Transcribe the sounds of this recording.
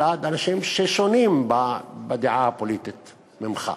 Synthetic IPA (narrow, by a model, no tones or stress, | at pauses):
ad̪ʔanaʃimʃeʃoniːmbabad̪iʕapoliːt̪it̪ | mɪmxa̰